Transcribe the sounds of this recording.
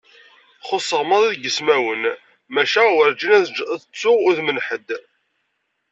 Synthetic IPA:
χosˤəʁmɑðˤiðɡəsmæwən | mæʃæwəɾd͡ʒinæðət͡sːʊʁʊðmənħəd̪

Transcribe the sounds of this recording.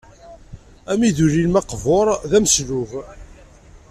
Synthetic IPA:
æmiðuɾilmɑqvoɾˤðæməsluv

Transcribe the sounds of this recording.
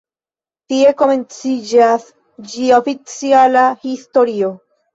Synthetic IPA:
tie̞ko̞me̞nt͡sid͡ʒas | d͡ʒiofit͡sialahisto̞ɾio̞

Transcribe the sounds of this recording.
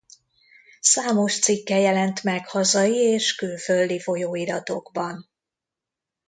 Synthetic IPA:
saːmo̞ʃt̪sikːɛjɛlɛnt̪mɛkhɒzɒjieːʃkøːlføld̪ifo̞joːiɾɒt̪o̞ɡbɒn

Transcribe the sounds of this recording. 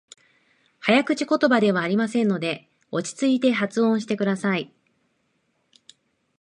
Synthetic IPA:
hajakɯ̟t͡ɕi̥ko̞t̪o̞bad̪e̞β̞aːɾʲimasẽ̞nːo̞d̪e̞ | o̞t͡ɕi̥t͡sɨit̪e̞ɦat͡sɨõ̞ɰ̃ɕi̥t̪e̞kɯ̟d̪asai

